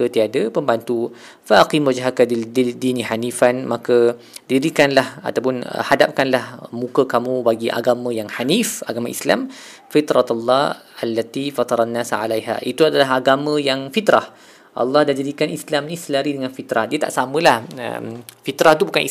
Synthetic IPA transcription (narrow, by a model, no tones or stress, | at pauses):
ət̪iadəpəmbant̪u | faʔaqimwad͡ʒɦakadididinihanifanmakə | diɾikanlaha̰t̪awpʊnə̰hadap̚kanlahmũkəkamũbaɡiʔa̰ɡamə̃jaŋhanifaɡamãʔisla̰m | fit̪ɾɑt̪alːɑ | alːat̪ifat̪ɑɾˤanːasʕa̰lajɦa̰ʔit̪uadalaɦaɡamə̃jaŋfit̪ɾah | ʔɑ̰lːɑhdad͡ʒadikanislamnĩsəlaɾidəŋanfit̪ɾahdiət̪aʔsamə̃lahə̰mfit̪ɾaht̪ubukani